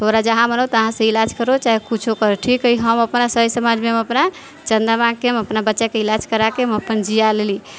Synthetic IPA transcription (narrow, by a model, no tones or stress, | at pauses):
t̪ʰoɾad͡ʒəɦãmənəwt̪əɦãsẽilad͡ʒkəɾot͡ʃaɦekut͡ʃʰokəɾʈʰikəiɦəməpnasəɦjsəmad͡ʒmeɦməpna | t͡ʃənd̪ɾamãkeməpnabətːʃakeilad͡ʒkəɾakeməpənd͡ʒijaleli